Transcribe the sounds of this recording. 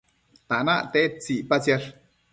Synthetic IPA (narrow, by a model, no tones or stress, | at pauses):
t̪ana̰ʔt̪eʔt͡siʔpat͡sjaɾ